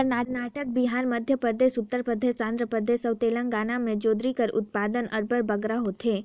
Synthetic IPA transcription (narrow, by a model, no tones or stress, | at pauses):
əɾnaːɾnaːʈək̚biɦaːɾməd̪ʱjəpəɾd̪eːʃʊt̪ːəɾpɾəd̪ʱeãnd̪ɾəpəd̪eːsəwt̪eːlə̃ŋɡaːnamẽd͡ʒoːd̪ɾikəɾʊ̰t̪̚paːd̪ənəɾbəɽbəɡɾaɦot̪ɦeː